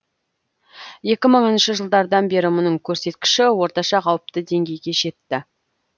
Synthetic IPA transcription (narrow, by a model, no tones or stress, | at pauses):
je̞kʲɪməɴənʃəʒəlˠd̪ɑɾd̪ɑnbe̞ɾɪmʊnəɴkʲʰɵɾse̞t̪kʲɪ̥ʃɪwo̞ɾt̪ɑʃɑqʰɑwəp̚t̪əd̪e̞ŋɡʲe̞jɡʲe̞ʒe̞t̪ːɪ